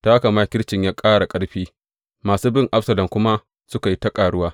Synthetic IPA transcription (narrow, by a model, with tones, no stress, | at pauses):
ta˦ka˨maː˦kʲɪ˦ɽt͡ʃɪ˨ɲjaː˦kʼaː˦ɽa˨kʼɐ˦ɽɸiː˦ | maː˨suː˦bɪ˦ŋʔa˦ɸsɐ˨lɐ˨mkʷʊ˦ma˦ | sʊ˦ka˨ji˦ta˦kʼaː˨ɽʊ˦waː˦